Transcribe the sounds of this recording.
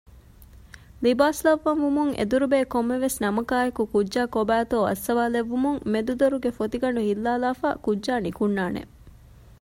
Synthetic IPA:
libaːslɐʋːɐnʋumuŋʔḛd̪uɾubeːkomːeʋesnɐmɐkaːekukudʒaːkobæːt̪oːɐ̰sːɐʋaːleʋːumuŋmed̪ud̪oɾuɡefot̪iɡɐɳɖuɦilːaːlaːfa̰ːkudʒaːnikunːaːnḛ

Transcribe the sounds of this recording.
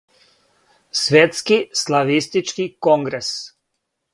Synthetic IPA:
sʋeːt̪skislaʋist̪it͡ʃkikɔŋɡɾɛs

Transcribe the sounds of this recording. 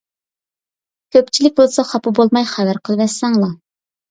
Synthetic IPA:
kʲʰøp̚t͡ʃʰilɪk̚ʲbolˠsɑχɑpʰɨbolˠmɑjχævæɾqʰəlˠvɛsɛŋlˠɑ

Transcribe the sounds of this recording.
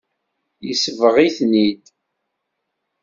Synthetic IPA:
jisəvəʁiθnid̪

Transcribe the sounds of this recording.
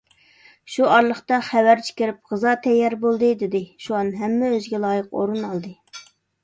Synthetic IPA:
ʃuɑɾlˠəχt̪ɑχæwæɾt͡ʃʰi̥kʲɪɾɪp̚ʁəzɑt̪ʰɛjːɑɾbolˠd̪ɨd̪ɪd̪ɪʃuɑnɦɛmːɛøzɡʲɛlˠɑːjəqo̰ɾunɑlˠd̪ɨ

